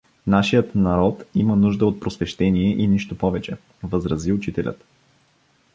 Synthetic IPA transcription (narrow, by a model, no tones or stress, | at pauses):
naʃijət̪nɐɾɔt̪imənuʒd̪əot̪̚pɾosvɛʃt̪ɛniɛʔiniʃt̪opɔvɛt͡ʃɛ | vəzɾɐziʊt͡ʃit̪ɛlʲʔə̰t̪